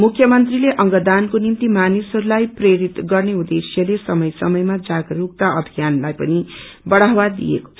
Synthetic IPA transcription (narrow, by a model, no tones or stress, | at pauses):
mukʰjʌmʌnt̪rileʔʌŋɡʌd̪ankonimt̪imanisʌɾulajpreɾit̪ɡʌrneud̪esjʌlesʌmʌjsʌmʌjmad͡zaɡʌruk̚t̪aʔʌbʱijanlajpʌnibʌɽ̤awad̪ḭjḛko̥t͡sʰ